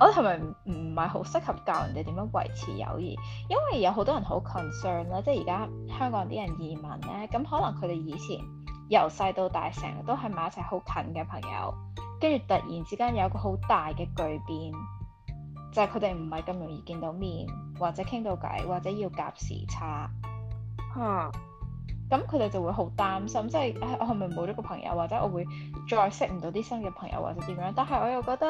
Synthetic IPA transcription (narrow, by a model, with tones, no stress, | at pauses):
ʔɔː˨˧d̪hɐ˨jmɐ˨jm̩˨˩hɐ˨jɦo˨˥wsɪ˥k̚hɐ˨p̚kaː˨˧wɐ̰˨˩t̪e˨˩t̪i˨˥mjœː˨˥ŋwɐ̰˨˩jt͡sʰḭː˨˩jɐ̰˧wjḭː˨˩ | jɐ˥nwɐ˨jːɐ˧wɦo˨˧wt̪ɔː˥jɐ˨˩nɦo˨˥wkʰɔ˨˩nsœː˥nlaː˥t͡sɛː˥jiː˨˩kaː˥hœː˥ŋkɔː˧˨˥t̪ḭː˥ɐ˨˩njiː˨˩mɐ˨˩nlɛː˥kɐ˨˥mɦɔː˨˥lɐ˨˩ŋkʰɵ˨˧t̪e˨jjiː˨˧t͡sʰḭː˨˩n | jɐ˨˩wsɐ˧jt̪o˧wt̪a̰ː˨jsɪ̰˨˩ŋt̪o˥wɦɐ˨˩jmɐ˨˧jɐ˥t͡sʰɐ˨˩ho˨˧˥wkʰɐ˨˥nkɛː˧pʰɐ˨˩ŋjɐ̰˨˧w | kɐ˥nt͡ʃyː˨˩t̪ɐ˨t̚jiː˨˩nt͡siː˨˥kaː˥njɐ˨˧wjɐ˦˥kɔː˧ɦo˨˥wt̪aː˨jkɛː˧kɵ˨˧ɥpiː˧n | t͡sɐ˨kʰɵ˨˧t̪e˨jm̩˨˩hɐ˨jkɐ˧mjʊ˨˩ŋjḭː˧kiː˧nt̪o˨˧˥wmiː˨˩nwaː˨k̚t͡sɛː˨˦˥kʰɪ˥ŋt̪o˧wkɐ̰˨˥jwaː˨k̚t͡sɛː˨˥jiː˧wka̰ː˧p̚sḭː˨˩t͡sʰaː˧˥ | haː˨˧ | kɐ˨˥mkʰɵ˨˧t̪e˨jt͡sɐ˨˩wu˨˧ɦo˨˥wt̪aː˥msɐ˥mt͡sɐ˥˨jʔa˨˥ʔɔ̰˨˧hɐ˨˩mɐ˨jmo˨˧˥kɔː˧pʰɐ˨˩ŋjɐ̰˧wːaː˨k̚t͡sɛ˨˦˥ɔː˧wu˨˧j | t͡ʃɔː˧jsɪ˥k̚m̩˨˩t̪o˨˥wt̪iː˥sɐ˥nkɛː˧pʰɐ˨˩ŋjɐ̰˧wa̰ː˨k̚t͡sɛː˨˥t̪iː˨˥mjœː˨˧˥ŋt̪aː˨nɦɐ˨˩jʔɔː˧jɐ˨wkɔː˧k̚t̪ɐ˥